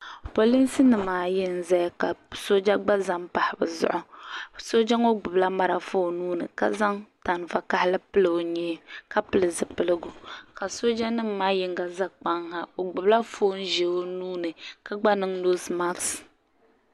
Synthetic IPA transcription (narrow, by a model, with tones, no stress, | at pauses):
po˨li˦nsɨ˦nɨ˨mːaː˨jɪ˦n̩˦˨za˦jka˨so˦d͡ʒa˦ɡ͡ba˦za˦ŋpa˨hɪ˨˦bɨ̰˨zʊ̰˦ʔʊ˨so˦d͡ʒa˦ŋo˦ɡ͡bʊ˨bla˦ma˨ɾa˨foː˦nuː˦nɨ̰˨ka̰˦za˦ŋta˨nva˨ka˦hɪ˦lɨ˦pɨ˦lɨ˨o˨ɲɛː˦ka˦pɨ˦˨lɨ˨zɨ˨pɨ˦lɨ˦ɡʊ˨ka˨so˦d͡ʒa˦nɨ˦mːaː˦jɪ˦ŋɡa˨za˦k͡pa˦ŋha˦o˨ɡ͡bʊ˨bla˦fo˦n̩˦ʒe˨o˦nuː˦nɨ˨ka˦ɡ͡ba˦nɨ˦ŋno˦sma˦ks